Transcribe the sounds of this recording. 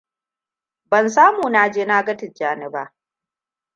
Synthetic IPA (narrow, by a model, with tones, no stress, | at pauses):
bɐ˨nsaː˦muː˨na˨d͡ʒeː˦naː˦ɡɐ˦tɪ˨d͡ʒaː˦nɪ˦˨baː˦ʔ